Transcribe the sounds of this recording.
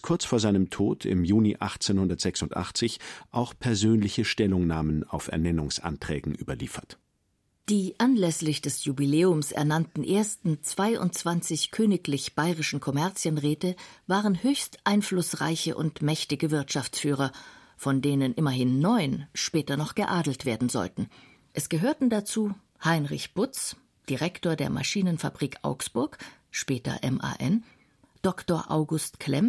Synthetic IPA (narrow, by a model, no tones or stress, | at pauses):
kʰʊɐt͡sfoːɐzaɪnəmtʰoːtʰɪ̰mjuːniʔaχt͡seːnhʊndɐtz̥ɛksʊntʔa̰χt͡sɪçʔaʊxpʰɛɐzøːnlɪçəʃtɛlʊŋnaːməna̰ʊfɛ̰ɐnɛnʊŋsʔa̰ntʁ̥ɛ̰ːɡŋ̩ʔyːbɐlḭːfɐt | d̥iːʔanlɛslɪçd̥ɛsjubileːʊmsɛ̰ɐnantn̩ʔeːɐstn̩t͡sv̥aɪʔʊ̰nt̚t͡sv̥ant͡sɪçkʰøːnɪklɪçb̥aɪʁɪʃn̩kʰɔmɛɐt͡sjənʁɛːtəvaːʁənhøːçstʔaɪnflʊsʁa̰ɪçə̰ʔʊ̰ntmɛçtɪɡəvɪɐtʃaft͡sfyːʁ̞ɐ | fɔndeːnənʔɪmɐɦɪnːɔʏnʃpɛːtɐnɔχɡ̥əʔaːdl̩tv̥eːɐdn̩zɔ̰ltn̩ | ʔɛsɡ̥əɦøːɐtn̩dat͡suː | haɪnʁɪçb̥ʊt͡s | d̥iʁɛktoːɐdeːɐmʔa̰ʃiːnənfa̰bʁiːkʔa̰ʊksb̥ʊɐk | ʃpɛːtɐ̰ʔɛmʔa̰ːʔɛn | d̥ɔktoːɐʔaʊɡʊstkʰlɛm